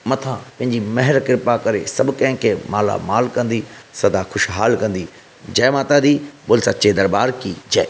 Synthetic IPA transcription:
mɐt̪ʰãpɐ̃ɦɪ̃ɲd͡ʑimɐɦɪɾkɪɾpakɐɾesɐbʊkɐ̃ɦɪ̃kʰemaːla̰maːlkɐ̃nd̪isɐd̪axʊʃɦaːlkɐ̃nd̪i | d͡ʑɛːmaːt̪ad̪iːbʊlsat͡ɕed̪ɐɾbaːɾkiːd͡ʑɛː

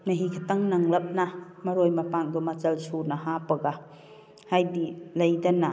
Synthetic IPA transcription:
nɐɦikʰɐtɐŋnɐŋlɐp̚namɐɾojmɐpaŋdɔmɐt͡ʃɐlsunahapɐɡa | hajdilɐjdɐna

